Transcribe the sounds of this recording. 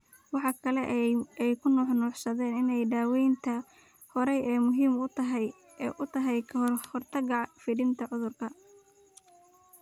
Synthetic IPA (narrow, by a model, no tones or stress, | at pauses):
wɑħɑkʰɐlɛʔɛjkʰʊnɔːħnɔːħsɐðɛːnɪnɛjɖaːwɛjnt̪ʰɐ | hɔɾɛjɛːmʊɦiːmʊt̪ɐɦɛj | ʔʊt̪ʰɐɦɛjkʰɐɦrhɔrt̪ʰɐɡɑʕfɪɽɪnt̪ʰɐʕʊðʊrkʰɐ